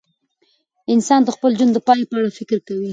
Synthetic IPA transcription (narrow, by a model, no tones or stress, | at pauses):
ɪnsɑnd̪əxpəld͡ʒund̪əpɑjepəaɽafɪkɾkawi